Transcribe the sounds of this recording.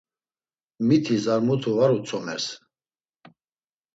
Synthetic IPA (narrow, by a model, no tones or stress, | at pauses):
mit̪ʰizaɾmut̪ʰuvaɾut͡sʰɔmɛɾs